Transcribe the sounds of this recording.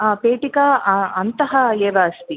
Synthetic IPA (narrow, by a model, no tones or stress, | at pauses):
peːʈikaːɐnt̪ɐɦɐeːʋɐːst̪i